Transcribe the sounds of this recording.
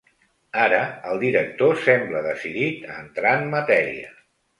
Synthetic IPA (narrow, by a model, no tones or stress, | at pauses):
aɾəːlˠd̪iɾək̚t̪osɛmbləðəsiðit̪ə̰nt̪ɾanmət̪ɛɾḭə̰